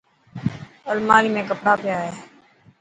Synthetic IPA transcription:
əlmaːliːmẽːkəpɽaːpɪjaːɦeː

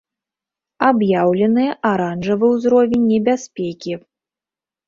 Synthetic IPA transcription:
abjawlʲɛnɨjɐʔaɾanʐɐvɨwzɾɔvʲenʲːɛbʲasʲpʲɛkʲi

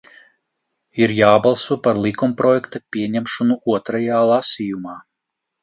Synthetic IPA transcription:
iɾjaːbalˠsuɔpaɾlˠikumpɾɔjɛkt̪apʲiɛɲɛmʃɔnuuɔt̪ɾajaːlˠasijumaː

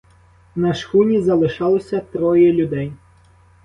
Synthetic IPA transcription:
nɐʃxunʲizɐlˠɪʃɑlˠɔsʲɐt̪ɾɔjɛlʲʊd̪ɛj

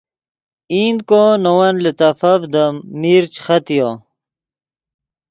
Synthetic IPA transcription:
iːnd̪̚konowɐnlet̪ɐfɐvd̪əmiːɾt͡ɕxɐt̪ijo

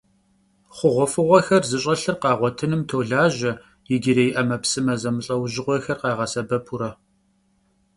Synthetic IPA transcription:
χʷʊʁʷɔfɨʁʷɔxɐrzɨɕʼɐɬɨrqɑːʁʷɔtʰɨnɨmtʰoːɮaːʒɐ | jɪɡʲɪɾejɪʔɐmɐpsɨmɐzɐmɨɬʼɐwʒɪʁʷɔxɐrqɑːʁɐsɐbɐpʰuɾɐ

